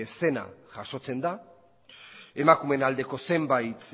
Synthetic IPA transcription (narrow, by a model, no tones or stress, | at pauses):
ese̞na̰ʝaʃo̞t͡se̞nd̪a | e̞makume̞nald̪e̞ko̞se̞mbajt̪